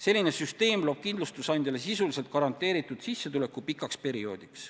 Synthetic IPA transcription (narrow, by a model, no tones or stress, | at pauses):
se̞lʲːine̞syst̪e̞ːmlo̞ːb̥̚kind̪lust̪usɑjnd̪jɑle̞s̬isulise̞lt̪̚kɑɾɑnt̪ːˑe̞ːɾit̪ːˑud̪̥sisːet̪ule̞kːˑupikːˑɑkspe̞ɾio̞̰ːd̪̥iks